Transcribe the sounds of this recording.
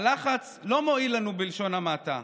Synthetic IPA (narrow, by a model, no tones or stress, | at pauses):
laχat͡s | lo̞mo̞ilanubilʃo̞namata̰